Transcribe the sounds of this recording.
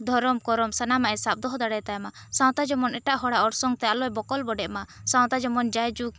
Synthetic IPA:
d̪ʱɔɾɔmkɔɾɔmsanamaʔɛsap̚d̪ɔɦɔd̪aɽɛt̪ajmasaw̃t̪ad͡ʒɔmɔnɛʈaʔɦɔɽaʔɔɽsɔŋt̪ɛalɔɛbɔkɔlbɔɖɛʔmasaw̃t̪ad͡ʒɔmɔnd͡ʒajd͡ʒuk̚

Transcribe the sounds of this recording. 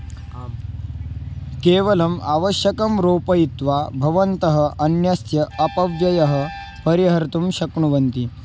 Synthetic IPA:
keːʋɐlɐmaʋɐɕjɐkɐmɾoːpɐjit̪ʋabʱɐʋɐnt̪ɐɦə̆ɐnjɐsjɐːpɐʋjɐjɐɦɐ̆ | pɐɾiɦɐɾt̪umɕɐkɳuʋɐnt̪i

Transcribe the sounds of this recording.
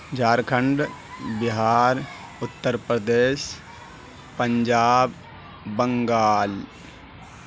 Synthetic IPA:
d͡ʒaːɾkʰəɳɖbɪɦaːɾ | ʊt̪ːəɾpɾəd̪eːʃ | pəɲd͡ʒaːbː | əŋɡaːl

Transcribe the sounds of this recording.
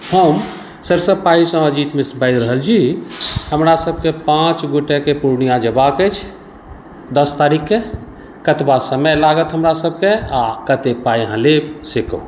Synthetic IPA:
həm | səɾsəpaisə̃əd͡ʒit̪misbəjd̪ɾəɦəld͡ʒʰihəmɾasəb̚ʱkepãt͡ʃɡoʈekepuɾnijãd͡ʒəbakət͡ʃʰ | d̪əst̪aɾikːe | kət̪basəməjlaɡət̪ɦəmɾasəb̚ʱkeakət̪epajɦãlebsekə̰

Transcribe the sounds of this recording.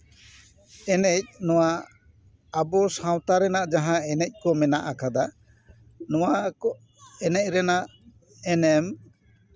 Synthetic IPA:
ɛnɛc̚nɔwa | abɔsãwt̪aɾɛnaʔd͡ʒaɦãɛnɛc̚ˀkɔmɛnaʔakʰad̪a | nɔwaɔ | ɛnɛc̚ˀɾɛnaʔ | ɛnɛm

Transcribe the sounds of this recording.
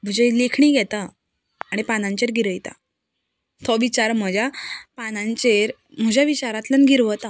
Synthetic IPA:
m̤əd͡ʑejlekʰɳiːɡʱɛt̪aː | ɽ̃ipanãɲt͡ɕeɾɡʱiɾəjt̪a̰ | t̪ʰɔʋit͡ɕaɾm̤əd͡ʑjapanãɲt͡ɕeɾ | m̤əd͡ʑjaʋit͡ɕaɾat̪lənɡiɾʋət̪a

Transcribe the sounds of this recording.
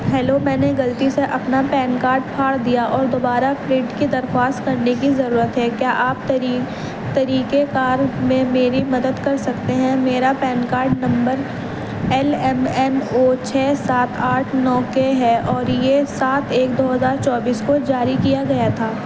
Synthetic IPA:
ɦɛːlomɛ̃ːneɡɐlt̪iseʔɐpnapɛːnkaːɾɖpʰaːɽd̪ijaʔɔːɾd̪oːbaːɾafɾɪːɖkid̪ɐɾxwaːst̪kɐɾnekizɐɾuːɾət̪ɦɛkjaːʔaːp̪̚ː | t̪ɐɾiːkekaːɾmẽmeːɾimɐd̪əd̪kɐɾsɐkt̪eɦɛ̃meːɾapɛːnkaːɾɖnɐ̃mbəɾ | ɛlɛmɛmot͡ʃʰɛːsaːt̪ʰaːʈʰnɔːkeɦɛʔɔːɾjesaːt̪ʰeːkd̪oːɦɐzaːɾt͡ʃɔːbiːskod͡ʒaːɾikijaɡɐjat̪ʰaː

